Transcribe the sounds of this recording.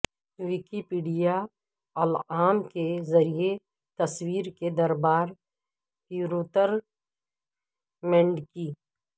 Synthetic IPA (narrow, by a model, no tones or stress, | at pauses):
wɪkipiːɖija | ɐlaːmkezɐɾije | t̪ɐswiːɾked̪ɐɾbaːɾ | piɾoːt̪əɾ | mɛ̃ɳɖkiː